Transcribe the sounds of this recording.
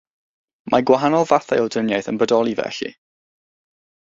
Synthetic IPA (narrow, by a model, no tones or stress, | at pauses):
mʔaɡwaɦanɔlˠvaθajɔwdənjajθənbədɔlˠivɛ̰ɬḭ